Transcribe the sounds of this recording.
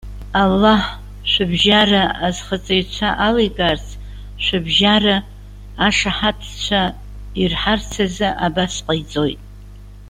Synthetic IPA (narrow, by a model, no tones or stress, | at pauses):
alːaħh | ʃʷabʒaraazχət͡sʼejt͡ʃʷʰaʔalejɡʼart͡sʰ | ʃʷabʒaraː | ʂaħatʰt͡ʃʷʰa | irħart͡sʰazɨʔabasqʼajt͡sʼojtʼ